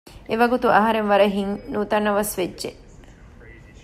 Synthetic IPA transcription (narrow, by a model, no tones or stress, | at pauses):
eʋɐɡut̪uʔɐɦɐɾenʋɐɾɐɦiŋnuːt̪ɐnːɐʋɐsʋedːʒe